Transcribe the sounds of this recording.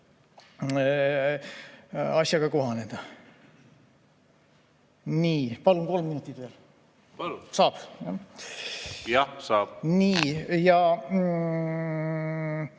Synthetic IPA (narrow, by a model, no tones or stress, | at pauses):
ɑsʲjɑɡ̥ɑko̞ɦɑne̞d̪̥ɑ | niːpɑlunko̞lmːinut̪ːˑid̪̥ve̞ːl | sɑːb̥jɑ | jɑsɑːb̥niːjɑ